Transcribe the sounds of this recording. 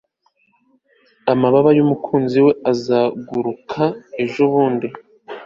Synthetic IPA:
amaβaβajumukʰuːnziwe̞azaɡuɾukʰaeʒo̞βuːndi

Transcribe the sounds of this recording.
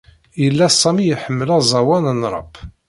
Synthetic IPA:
jəlːæsˤːɑmijəħəmːəlæzˤɑwænənɾˤɑ̰b

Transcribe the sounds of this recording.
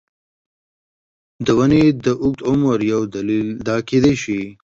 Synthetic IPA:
d̪əwaned̪əʔʊk̚t̪omwaɾjawd̪alild̪ɑked̪eʃi

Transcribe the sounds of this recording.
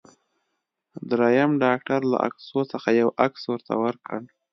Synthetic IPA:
d̪ɾɑjamɖɑk̚ʈaɾla̰ʔa̰ksot͡səxajawʔakswəɾt̪ʰa̰wəɾkəɳ

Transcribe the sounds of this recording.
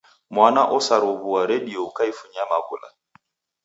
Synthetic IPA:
mwanaʔɔsaɾɔβuaɾɛdiɔukaifuɲamaβṵla̰

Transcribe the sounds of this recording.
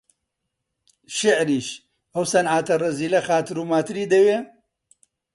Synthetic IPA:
ʃɪʕɾiːʃ | ɐwsɐnʕaːt̪ɐrɐziːlɐxaːt̪ɨɾuːmaːt̪ɨɾiːd̪ɐwe

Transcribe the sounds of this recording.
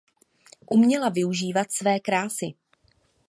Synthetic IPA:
ʔumɲɛlavɪuʒiːvat̪svɛːkɾaːsɪ

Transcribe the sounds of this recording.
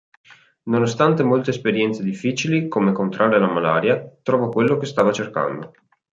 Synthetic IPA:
nonost̪ant̪emolt̪eːspeɾjɛnt̪sed̪ifːiːt͡ʃilikomekont̪ɾʔaːɾealamalaːɾjat̪ɾɔːvakwelːokest̪aːvat͡ʃerka̰nd̪o

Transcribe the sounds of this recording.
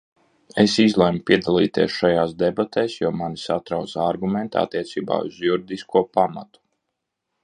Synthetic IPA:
esizlˠɛjmupʲiɛd̪alˠḭːt̪iɛsʃajaːsd̪ebat̪eːsjuːmanisat̪ɾawt̪saɾɡument̪a̰t̪ːiɛt̪siːba̰ːṵzjuɾid̪iskuɔpama̰t̪u̥

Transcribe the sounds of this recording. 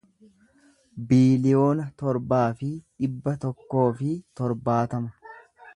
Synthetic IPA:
biːlɪjo̞ːnɐt̪ɔɾbaːfɪᶑɪbːɐt̪ɔkːo̞ːfɪt̪ɔɾbaːt̪ɐmɐ̥

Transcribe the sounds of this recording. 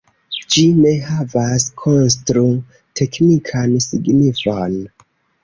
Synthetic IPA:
d͡ʒine̞havaskʰons̬tɾu | tʰe̞knikʰansiɡnifon

